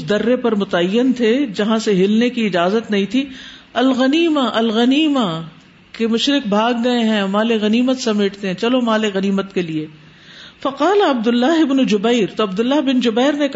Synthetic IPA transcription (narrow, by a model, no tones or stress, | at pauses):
sd̪ɐɾːepɐɾmʊt̪ɐɐjːənt̪ʰed͡ʒɐɦãseɦɪlnekiɪd͡ʒaːzət̪nɐɦĩt̪ʰiɐlɣɐniːmaʔɐlɣɐniːma | kemʊʃɾɪk̚bʱaːɡːɐeɦɛ̃ːmaːleɣɐniːmət̪sɐmeːʈ̚ʰt̪eɦɛ̃t͡ʃɐlomaːleɣɐniːmət̪kelie | fɐqaːlaɐb̚d̪ʊlːaːɦɪbnud͡ʒʊbɐɪɾt̪oɐb̚d̪ʊlːaɦbɪnd͡ʒʊbɛːɾnek